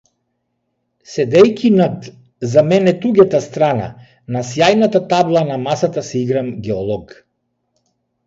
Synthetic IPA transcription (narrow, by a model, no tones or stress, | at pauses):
sɛd̪ɛjkʲinad̪ | zamɛnɛt̪uɡʲɛt̪ast̪ɾana̰ | nasjajnat̪at̪ablˠanamasat̪asiɡɾamɡʲɛɔlˠɔɡ